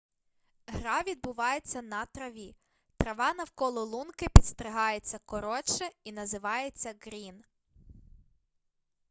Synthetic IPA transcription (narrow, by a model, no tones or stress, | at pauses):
ɦɾɑʋʲid̪̚bʊʋɑjet͡sʲːɐnɐt̪ɾɐʋʲi | t̪ɾɐʋɑnɐwkɔlˠɔlˠunkɪpʲidt̪st̪ɾɪɦɑjet͡sʲːɐkɔɾɔt͡ʃɛinɐzɪʋɑjet͡sʲːɐɡɾʲin